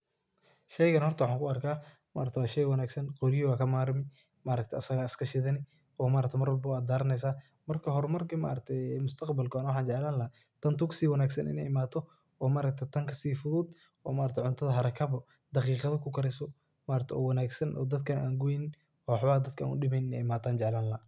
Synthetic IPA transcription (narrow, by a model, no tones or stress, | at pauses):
ʃɛjɣɐnhɔrt̪ɐwɑħɑːŋkʰʊɐrkʰaː | ma̰ːɾɐkt̪ʰɛwaːʃɛjwɐnaːɡsɐnqɔɾɪjɔwaːkʰɐmaːɾmɪ | maːɾɐk̚t̪ʰɐɐsɐɣaɪskʰɐʃɪðɐnɪ | ʔɔːmaːɾɐk̚t̪ɛmɐrwɐlbɐwaːd̪d̪aːɾɐnɛjsaː | mɐrkʰɐɦɔɾmɐrkʰɐma̰ːɾɐk̚t̪ʰɛjmʊst̪ʰɐqbɐlkʰʊnwɑħɑːnt͡ʃɛʕlaːnlɐha | t̪ʰɐnt̪ʰukʰsiːwɐnaːɡsɐnʔɪ̰nɛ̰jɪmaːt̪ʰːɔ | ɔːmaːɾɐk̚t̪ʰɛt̪ʰɐŋkʰɐsiːfʊðʊd̪ | ɔ̰ːmaːɾɐk̚t̪ɛʕʊnt̪ʰɐðɐɦɐɾɐkʰɐβɔ | d̪̥ɑqiːqɐðɐkʰʊkʰɐɾɛsɔ | maːɾɐkt̪ʰɛɔ̰ːwɐnaːɡsɐnʔɔ̰ːd̪ɐd̪̚kʰɐnʔa̰ːŋɡujɪn | ɔːwħβaːd̪ɐd̪̚kʰa̰ːnʊ̰ɗɪmɛːjnɪnɛ̰jɪmaːt̪ʰaːnt͡ʃɛʕlaːnlɐ